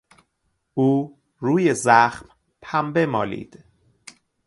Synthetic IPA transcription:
uː | ɾuːjezæxm | pʰæmbe̞mɒ̰ːlḭːd̪̥

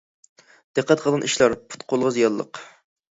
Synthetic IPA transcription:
d̪̥ɨqʰːæt̪qʰəlˠɨnʔiʃlˠɑɾpʰu̥t̪̚qʰolˠʁəzijɑlˠːə̰q

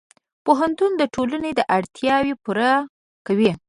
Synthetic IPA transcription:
poɦant̪und̪əʈʰoləned̪əʔaɽt̪jɑwipuɾa | kawi

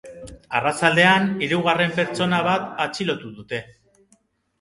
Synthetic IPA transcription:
arat͡sald̪e̞aniɾuɣ̞are̞mpe̞ɾt͡so̞naβ̞at̪at͡silo̞t̪uðut̪e̞

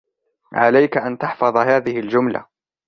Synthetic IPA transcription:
ʕalajkaʔant̪ɑħfɑðˤɦaːðɪhɪld͡ʒʊmla̰

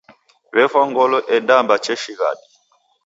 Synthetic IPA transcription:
βɛfaŋɡɔlɔʔɛdambat͡ʃɛʃiɣa̰ɗi

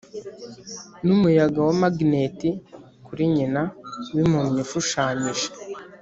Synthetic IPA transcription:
numujaɡawamaɡneti | kuɾiɲinawimumɲiʃuʃaːɲiʒe̥

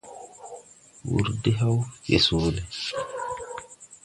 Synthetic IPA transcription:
wṵɾdɛɦawjḛsoːlɛ

